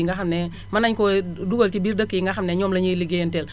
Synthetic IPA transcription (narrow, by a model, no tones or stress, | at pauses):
ŋɡaxɐmnɛ | mɐnaɲkɔduɡɐltibiːɾdəkːijiŋɡɐxɐmnɛɲɔːmlɐɲiliɡentɛl